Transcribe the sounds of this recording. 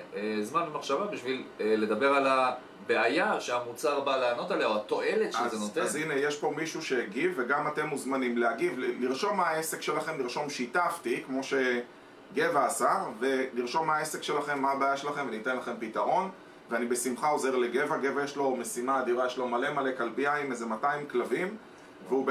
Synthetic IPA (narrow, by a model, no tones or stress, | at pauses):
ezmanmaχʃavabiʃville̞d̪abe̞ʁala | beajaʃeamut͡saʁbaleano̞t̪aleaoat̪o̞elet̪ʃzenot̪eanzine̞jeʃpo̞miʃuʃe̞ːɡivːeɡamat̪e̞mːuzmanimleaɡivliʁʃo̞lmaaese̞kʃe̞laχe̞mliʁʃo̞mʃitaft̪ikmo̞ʃe̞ | ɡe̞vaːsave̞liʁʃo̞lmaaese̞kʃe̞laχe̞mːaabeajaʃelaχe̞mvenit̪e̞nlaχe̞mpitaʁo̞n | veanibe̞simχao̞ze̞ʁle̞ɡe̞vaɡe̞vajeʃlo̞me̞simaːd̪iʁajeʃlo̞male̞male̞kalbiaimezemataimklavim | veub